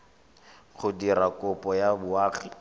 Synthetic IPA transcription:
χʰʊdiɾakʊpʼɔjabʊaːχi

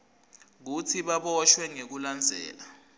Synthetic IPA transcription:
k̬utʰiɓaɓɔʃwɛŋek̬uland͡zʱɛ̰ːla

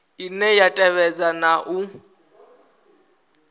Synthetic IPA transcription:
inɛjatʼɛβɛd͡zanaʔu

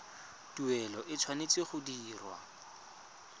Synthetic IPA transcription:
tuɛlɔʔɪt͡sʰwanet͡sʼɪχʊdiːrwa̰

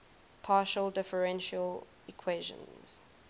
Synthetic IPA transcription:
pʰɑːˑʃəldɪfəɹɛ̃nʃəl | ikʰweʒə̰̃nz̥

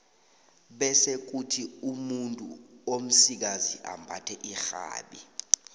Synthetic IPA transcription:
ɓɛsek̬utʰiumuntʼṵom̩sik̬aziʔa̰mbʱatʰɛʔixa̰ːɓi

